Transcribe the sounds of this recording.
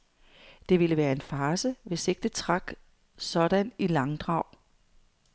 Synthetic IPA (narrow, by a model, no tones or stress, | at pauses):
d̥e̝ʋiləʋæːɐe̝nfɑːsəʋe̝se̝ɡ̥̚d̥ət͡sʰʁɑ̈ɡ̥ | sɒ̽ɾ̥ænilɑ̈ŋd̥ʁɑ̈ʊ̰